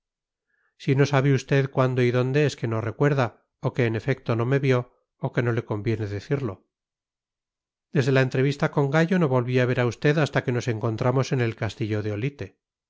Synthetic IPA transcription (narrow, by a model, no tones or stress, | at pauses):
sino̞saβeust̪e̞ðkwand̪o̞iðo̞nd̪e̞eske̞no̞re̞kwe̞ɾða | oke̞ːne̞fe̞k̚t̪o̞no̞me̞βjo̞ː | ke̞no̞le̞ko̞mbje̞ne̞ðe̞θiɾlo̞ | d̪e̞zð̞e̞laent̪ɾe̞β̞ist̪ako̞ŋɡaʝo̞no̞βo̞lβiaβ̞e̞ɾaust̪e̞ðast̪ake̞no̞se̞ŋko̞nt̪ɾamo̞se̞ne̞lkast̪iʎo̞ðeo̞lit̪e